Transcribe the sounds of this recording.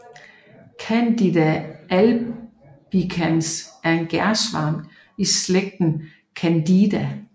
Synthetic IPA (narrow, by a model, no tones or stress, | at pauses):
kʰænd̥id̥æʔæl | b̥ikʰænsæɐe̝nɡ̥æɐsʋɑ̰̈ŋ | isleɡ̥̚d̥n̩ | kʰænd̥id̥æ